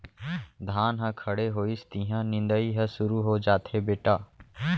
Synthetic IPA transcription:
d̪ʱaːnɦãkʰɐɽeɦoːist̪ĩɦãnɪ̃nd̪əiɦɛsʊɾuɦod͡ʒaːt̪ɦebeːʈaː

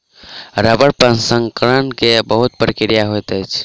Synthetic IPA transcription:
ɾəbəɾpənsə̃ŋkɾənkebəɦut̪̚pɾikɾijaɦojt̪əjt͡ʃʰ

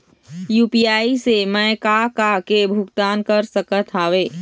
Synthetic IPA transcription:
juːpijaːisemɛ̃kakakebʱuɡt̪aːnkəɾsəkət̪ʰaːʋeː

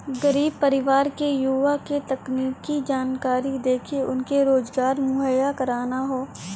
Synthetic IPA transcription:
ɡəɾiːb̚pəɾɪʋaːɾkejuʋaket̪ɐkniːkːid͡ʒaːnkaːɾid̪eːkʰeʊnkeɾoːzɡaːɾmʊɦəjakɐɾaːnaɦoː

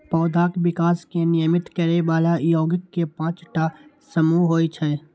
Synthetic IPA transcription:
pɔːd̪ʱaːkbɪkaːskenɪjəmɪt̪kəɾeʋaːlajoːɡəkːepãːt͡ʃʈa | səmuɦoːit͡ʃʰɛ

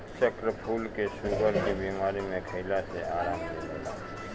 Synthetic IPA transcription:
t͡ʃəkɾəpʰuːlkeʃuːɡəɾkibiːmaːɾimẽkʰəɪlaseʔaːɾaːmleɡeːla̰ː

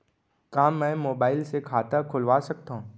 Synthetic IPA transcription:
kaːmːɛ̃ːmoːbaːɪlsekʰaːt̪akʰʊlʋaːsɐk̚t̪aɦũː

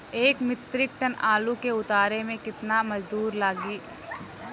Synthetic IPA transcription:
eːkmɪt̪ɾɪk̚ʈənaːlũkeʊt̪aːɾemẽkɪt̪namɐd͡ʒd̪uːɾlaːɡiː

